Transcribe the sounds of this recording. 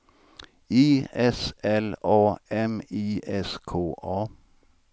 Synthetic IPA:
iːɛsɛloːɛmiːʔɛskʰoːʔɑː

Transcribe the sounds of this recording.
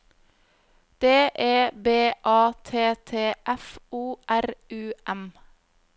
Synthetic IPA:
d̪̥eːʔeːbeːʔɑːt̪ʰeːt̪ʰeːʔɛfuːʔæɾʉːʔɛm

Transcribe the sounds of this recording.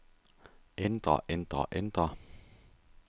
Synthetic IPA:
end̥ʁɐ̰ʔend̥ʁɐ̰ʔend̥ʁɐ

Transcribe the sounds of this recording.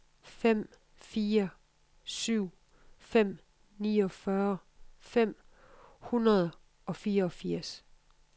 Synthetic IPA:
fem̰ | fiːɐ | syʊ̰ | fem̰ | niːɒ̽fɶɐfem̰ | hunʁɐð̞ˠ | ɒ̽fiːɐɒfiɐ̰s

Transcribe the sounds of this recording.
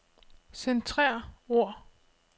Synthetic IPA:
sent͡sʰʁɛɐ̰o̝ɐ̰

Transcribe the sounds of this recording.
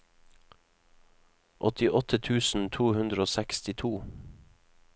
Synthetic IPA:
ʔɔt̪ɪʔɔt̪ət̪ʰʉːsn̩t̪ʰuːhʉnd̪ɾəoːsɛkst̪ɪt̪ʰuː

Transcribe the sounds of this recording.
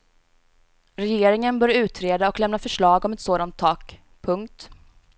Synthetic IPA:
ɾɛjeːɾɪŋənbœːɾʉ̟ːt̪ʰɾeːd̪aɔklɛmnafœʂɭɑːɡɔmɛt̪soːd̪ant̪ʰːɑːk | pʰɵŋk̚t̪

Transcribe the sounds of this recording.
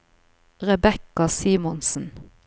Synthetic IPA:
ʁɛbɛkɑsiːmɔnsn̩

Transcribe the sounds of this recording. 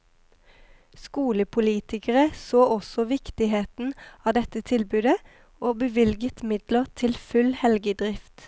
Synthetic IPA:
skuːləpʰʊliːt̪ɪkəʁəsoːʔɔsɔʋɪkt̪ɪɦeːt̪n̩ɑːd̪ɛt̪ət̪ʰɪlbʉːd̪ə | oːbəʋɪlɡət̪mɪd̪ləʁt̪ʰɪlfʉlhɛlɡəd̪ʁɪft̪

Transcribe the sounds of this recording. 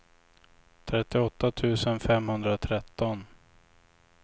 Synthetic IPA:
t̪ʰɾɛt̪ːɪɔt̪ːat̪ʰʉ̟ːsənfɛmhɵnd̪ɾat̪ʰɾɛt̪ːɔn

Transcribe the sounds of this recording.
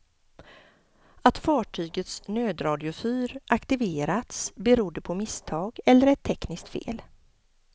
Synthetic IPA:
at̪fɑːʈʰyːɡət̪snøːd̪ɾɑːd̪ɪʊfyːɾʔakt̪ɪveːɾat̪sbɛɾuːd̪əpʰɔmɪst̪ʰɑːɡɛlːəɾɛt̪ʰːɛknɪskt̪fḛːl

